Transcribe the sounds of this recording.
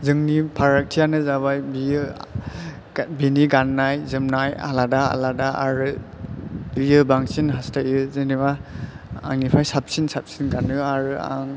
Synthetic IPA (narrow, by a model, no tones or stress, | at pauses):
zɯŋnipʰaɾak̚tʰijanɯzaβajbijɯ | biniɡanːajzɯmnaja̰ladaa̰ladaa̰ɾɯ | bijɯbaŋsinɦastaɯzɯniba | a̰ŋnipʰajsap̚sinsap̚sinɡanɯaɾɯa̰ŋ